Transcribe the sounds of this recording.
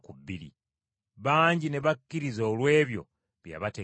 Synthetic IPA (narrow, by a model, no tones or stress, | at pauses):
kubilḭ | βaːɲɟine̞βakːiɾizo̞ːlwe̞ːβjo̞̰ | βja̰βate